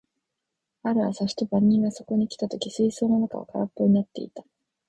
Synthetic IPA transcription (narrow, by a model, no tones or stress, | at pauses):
aɾɯβasaɕi̥t̪obaɲ̟ːĩŋɡaso̞ko̞ɲ̟ikʲi̥t̪at̪o̞kʲisɨiso̞ːnonaka̰o̰kaɾapːo̞ɲ̟inat̪ːe̞̰ḭt̪ḁ